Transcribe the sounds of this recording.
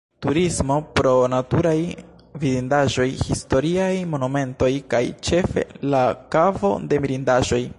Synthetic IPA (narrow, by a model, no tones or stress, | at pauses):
tuɾismo̞pɾo̞natuɾaj | vidindaʒo̞jhisto̞ɾiajmo̞nume̞nto̞jkajt͡ʃe̞fe̞̰lakavo̞̰de̞miɾindaʒo̞j